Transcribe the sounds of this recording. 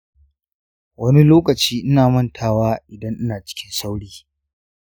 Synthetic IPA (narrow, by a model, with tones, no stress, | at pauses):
wɐ˦ni˦loː˦kɐ˨t͡ʃiː˦ʔɪ˦naː˨mɐ˦˨ntʰaː˨waː˦ʔɪ˨dɐ˦ŋʔɪ˦naː˨t͡ʃɪ̥˦kʲɪ˦nsa˦wɽiː˦